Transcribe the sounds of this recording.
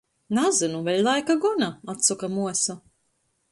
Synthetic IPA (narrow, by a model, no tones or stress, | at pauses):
nazɨnuvʲɛʎʲlˠajkaɡunaat̪sɔkamuɔsa